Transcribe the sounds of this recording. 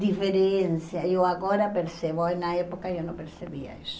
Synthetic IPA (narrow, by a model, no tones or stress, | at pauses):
d̪ifeɾenθjaewaɣoɾapeɾseβoojnaɛpokaewnõmpeɾseβiɐ̰isʊ̥